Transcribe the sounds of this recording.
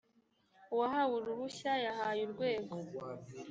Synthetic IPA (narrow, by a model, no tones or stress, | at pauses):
uwaɦawuɾuɾuçajaɦajuɾɡwe̞ːɡo̞